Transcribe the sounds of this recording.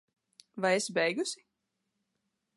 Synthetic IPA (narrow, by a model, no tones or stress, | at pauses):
vajesbɛjɡusi